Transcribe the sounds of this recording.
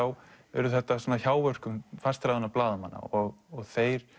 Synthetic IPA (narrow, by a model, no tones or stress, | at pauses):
aw | ɛ̰ɾʏθɛht̪asaːnaçaːwvœr̥kʏmfast̪ɾajðʏnaplaːðʏmanːa̰ɔɣɔɣθeːjɾ̥